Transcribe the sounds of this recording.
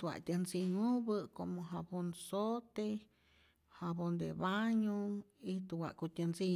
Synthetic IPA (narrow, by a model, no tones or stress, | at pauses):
t̪wa̰ʔt̪ʲənsiŋubɨkomoɦabonsot̪e | habond̪ḛbaɲoit̪uwa̰ʔkut̪ʲansi